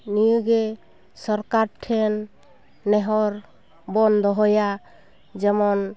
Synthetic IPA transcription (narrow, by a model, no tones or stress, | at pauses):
nijuɡɛ | sɔɾkaɾʈʰɛnː | ɛɦɔɾ | bɔnd̪ʱɔɦɔja | d͡ʒɛmɔn